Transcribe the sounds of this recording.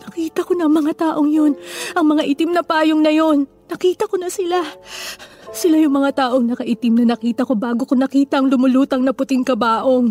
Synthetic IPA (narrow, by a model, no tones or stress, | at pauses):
nɐkiːt̪ɐko̞nɐŋmɐŋat̪aːʔo̞ŋjo̞nʔɐŋmɐŋaʔit̪imnɐpaːjoŋnɐjo̞nːɐkiːt̪ɐko̞nɐsɪla | sɪlajʊŋmɐŋat̪aːʔo̞ŋnɐkɐʔit̪ɪmnɐnɐkiːt̪ɐko̞baːɡokonɐkiːt̪ɐʔɐŋlʊmʊluːt̪ɐŋnɐpʊt̪ɪŋkɐbaːʔo̞ŋ